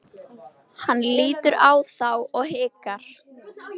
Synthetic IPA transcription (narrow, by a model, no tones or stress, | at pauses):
hanːliːt̪ʏɾaːwθawɔɣɦɪːkaɾ̥